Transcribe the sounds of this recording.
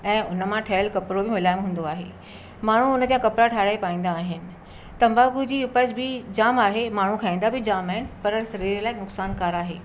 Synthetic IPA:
ɛ̃ːʊnə̆mãʈʰɐjəlkɐpɾobɪmʊlaːɪmɦũːn̆d̪oaːɦḛː | maːɳ̤uʊnə̆d͡ʑakɐpɾaʈʰaːɾaːepaːĩːn̆d̪aːɦɪnɪ̆ | t̪ɐmbaːkud͡ʑiːʊpəd͡ʑbɪd͡ʑaːmaːɦemaːɳ̤ukʰaːĩːn̆d̪abʱɪd͡ʑaːmaːɦɪnɪ̆pɐɾsɐɾiːɾlaːɪnʊksaːnkaːɾaːɦḛː

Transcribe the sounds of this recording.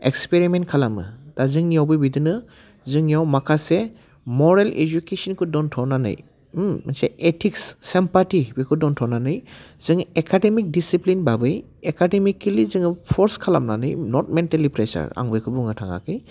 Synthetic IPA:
ek̚speɾimentkʰalamɯ̰d̥azɯŋniawbɯjbidɯnɯ | zɯŋjawmakʰase | mɔɾelḛd͡ʒukesɔnkʰɯdɔntʰɔnanɯ̰j | masḛetʰiksːempatibikʰɯdɔntʰɔwnanɯjz̥ɯŋekʰademik̚disiplinbabɯj | ekademikːilizɯŋpʰɔɾskʰalamna̰nɯjnɔt̚mentalipɾesa̰ɾa̰ŋbɯjkʰɯbuŋɯtʰaŋa̰kɯj

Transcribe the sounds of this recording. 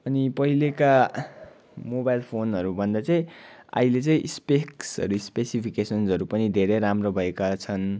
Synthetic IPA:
ʌnipʌɦileka | mobajlpʰonɦʌɾubʱʌnd̪at͡saĩa̰ilet͡sʌĩʔspeksʌ̰ɾuispesipʰikesʌnsʌɾupʌnid̪ʱeɾeɾamrobʱʌekat͡sʰʌn

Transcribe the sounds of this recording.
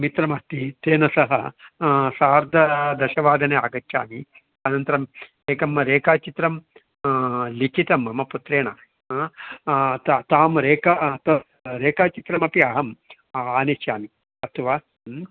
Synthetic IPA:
mit̪ɾɐmɐht̪it̪eːnɐsɐɦɐ̰ | saːɾd̪ʱɐd̪ɐʃɐʋaːd̪ʱɐnea̰ːɡɐt͡ʃja̰ːmi | ɐnɐnt̪ɐɾɐm | eːkɐmɾeːkaːt͡ʃit̪ɾɐm | likʰit̪ɐmːɐmɐput̪ɾeːɳa̰ː | t̪t̪aːmɾeːkɐt̪ɐ | ɾeːkaːt͡ʃit̪ɾɐmɐpiɐːɦɐm | aːneʃjaːmi | ɐt̪ʰɐʋaː

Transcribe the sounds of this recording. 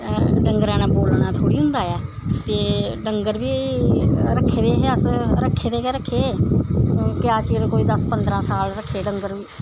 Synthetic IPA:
ɖəŋɡəɾãːnaːboːlnãːt̪ʰoːɽiːɦʊ̃nd̪aːɛː | t̪eːɖəŋɡəɾʋiː | ɾəkʰːeːd̪eːɦːəsɾəkʰːeːd̪eːkːɾəkʰːeː | kɪjaːt͡ʃiːɾkoːiːd̪əspənd̪ɾãːsaːlɾəkʰːeːɖəŋɡəɾʋiː

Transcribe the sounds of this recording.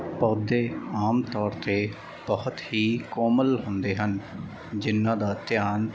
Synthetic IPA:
pɔːd̪eːaːmt̪ɔːɾt̪eː | b̥əhʊt̪ɦiːkɔːməlɦʊnd̪eːɦən | d͡ʒɪnːãːd̪aːt̪jaːn

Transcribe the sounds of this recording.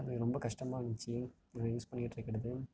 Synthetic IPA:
ŋɡɐɾɔmbɐkɐʂʈɐmaːʋɐnɡɪt͡ʃːi | ɐjuːspɐɳːɪkɪʈːɪɾɐkːɪɽɐðɯ

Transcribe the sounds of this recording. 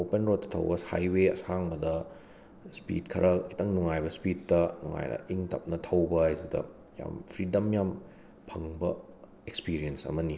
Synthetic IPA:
openɾot̚ːɐtʰɐ̰wbɐha̰jweɐsaŋbɐdɐ | spḭtkʰɐɾʔɐkʰi̥tɐŋnuŋajbɐspittɐnuŋa̰jdɐ̰iŋtɐ̰p̚nɐtʰɐwbɐajzidɐ̰ | ja̰mpʰɾidɐmjam | pʰɐŋbɐ | ekspiɾijensɐ̰mɐni

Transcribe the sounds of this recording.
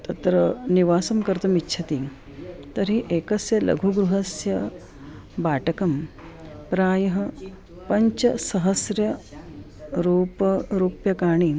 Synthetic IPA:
t̪ɐt̪ɾɐniʋaːsɐmkɐɾt̪ɐmitːt͡ʃʰɐt̪iː | t̪ɐɾiʔekɐsjɐlɐ̰ɡʱuɡɾuɦɐsjɐ | baːʈɐkɐm | pɾaːjɐɦɐ | pɐɲt͡ʃɐsɐɦɐsɾjɐ | ɾuːpɐɾuːpjɐkaːɳ̃iː

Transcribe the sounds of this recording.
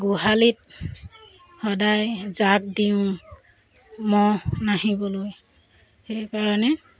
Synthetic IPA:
ɡuɦalit̚ | hɔdajzak̚diʊ̃ | mɔnaɦibɔloj | xejkaɹɔnɛ

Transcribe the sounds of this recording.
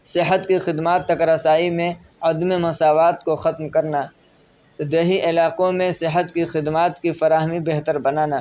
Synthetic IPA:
sɪɦət̪kixɪd̪maːt̪ːɐkɾɐsaːimẽ | ɐd̪mimɐsaːʋaːt̪koxɐt̪mkɐɾna | ɪd̪ɐɦiʔɪlaːqõmẽsɪɦət̪kixɪd̪maːt̪kifɐɾaːɦmibeɦt̪əɾbɐnaːnaː

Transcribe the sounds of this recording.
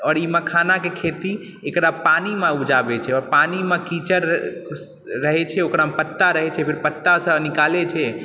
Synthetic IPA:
ɔːɾimekʰanakekʰet̪i | ekɾapanimeud͡ʒabet͡ʃʰɛɔːɾpanimẽkit͡ʃəɾ | əɦɛt͡ʃʰɛokɾamepət̪ːaɾəɦɛt͡ʃʰɛpʰiɾpət̪ːasənikalet͡ʃʰɛ

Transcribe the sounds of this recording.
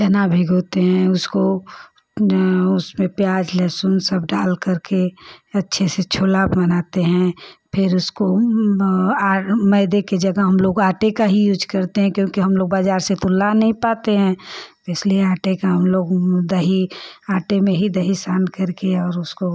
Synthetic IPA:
d͡ʒɐnabʱiɡoːt̪eɦɛ̃ʊsko | ʊsmẽpjaːd͡ʒlɛːsʊnsɐb̚ɖaːlkɐɾkeɐtːʃʰeset͡ʃʰoːlaːbmɐnaːt̪eɦɛ̃pʰɪɾʊsko | aːmɛɪd̪eked͡ʒɐɡəɦɐmloːɡaːʈekaɦijuːd͡ʒkɐɾt̪eɦɛ̃kjõːkiɦɐmloːɡ̚baːd͡ʒaːɾset̪ʊlːanɐɦĩpaːt̪eɦɛ̃ːbɛːsliẽaːʈekaɦɐmloːɡd̪ɐɦiaːʈemẽɦid̪ɐɦisaːnkɐɾkeɔːɾʊsko

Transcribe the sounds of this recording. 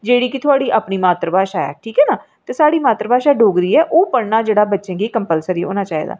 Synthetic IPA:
d͡ʒeːɽiːkɪt̪ʰʊaːɽiːʔaːpniːmaːt̪ɾəbaːʃaːɛ̰ːʈʰiːkɦɛːnaː | t̪eːsaːɽiːmaːt̪ɾəbaːʃaːɖoːɡɾiːɛːʔoːpəɽnaːd͡ʒeːɽaːbətːʃẽːɡiːkəmpəlsəɾiːo̰ːnãːt͡ʃaːɦḭd̪a̰ː

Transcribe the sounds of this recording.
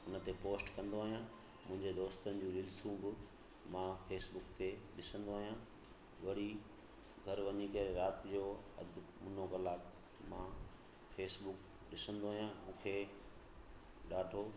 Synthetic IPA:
ʊnə̆t̪epoːsʈkɐ̃nd̪oaːɦijã | mʊ̃ɦɪ̃ɲd͡ʑed̪oːst̪ənɪ̆d͡ʑũːlɪlsũːɡʊ | mãːfeːsbʊkt̪eɗɪsə̃nd̪oaːɦijãː | ʋɐɽi | ɡʱɐɾʋɐɲikɐɾeɾaːt̪ɪd͡ʑoːɐ̰d̪ʱmʊnoɣɐlaːk | mãː | feːsbʊk | ɗɪsə̃nd̪oaːɦijãmũːkʰe | ɗaːʈʰoː

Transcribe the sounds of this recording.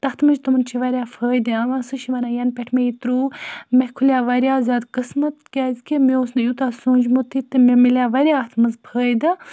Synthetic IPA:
t̪ɐht̪mɨd͡ʒt̪ɨmɨnt͡ʃʰiʋɐɾʲjaːfʰəːjd̪iɐʋãːsɨʃiʋɐnaːjɐnpʲeʈʰmeit̪ɾuːmekʰulʲjaːʋɐɾʲjaːzʲaːd̪kɨsmɐt̪kʲaːzkimeosnɐjut̪aːsoːnd͡ʒmut̪ʰit̪ɨmemilʲjaːʋɐɾʲjaːht̪ʰmɐzpʰəːjd̪ɨ

